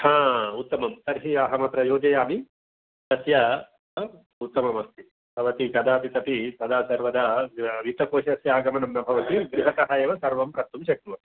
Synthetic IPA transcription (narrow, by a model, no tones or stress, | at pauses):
hãːut̪ːɐmɐmt̪ɐɾɦiɐɦɐmɐt̪ɾɐjoːd͡ʒɐjaːmi | d̪ɐsjɐ | ut̪ːɐmɐmɐst̪i | bʱɐʋɐt̪ikɐd̪aːt̪it̪ɐpisɐd̪aːsɐɾʋɐd̪ɐʋit̪ɐkoːʃɐsjaːɡɐmɐnɐmnɐbʱɐʋɐt̪iɡɾiɦɐt̪ɐɦɐjɐʋɐsɐɾʋɐmpɾɐt̪ːumʃɐk̚ɾuʋɐ